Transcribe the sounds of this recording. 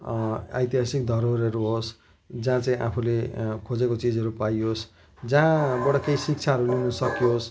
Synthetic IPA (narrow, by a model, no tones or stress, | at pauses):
a̰jt̪iɦasik̚d̪ʱʌɾoɾʌɾuɦos | d͡zãt͡saĩʔa̰pʰulekʰod͡zekot͡sid͡zʌɾupajos | d͡zãbʌɽʌkejsik̚t͡sʰaɦʌɾulinʌsʌkijos